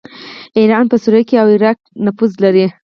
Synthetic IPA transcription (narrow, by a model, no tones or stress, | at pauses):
iɾɑnpəsuɾakeawɪɾɑk̚nafuzlaɾi